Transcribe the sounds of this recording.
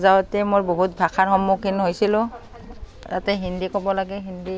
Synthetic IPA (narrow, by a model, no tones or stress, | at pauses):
zawtɛmoɹboɦut̚bʱakʰaɹxɔmːukʰinɦojsilʊ̃ | tatɛɦindikɔbɔlaɡɛɦindi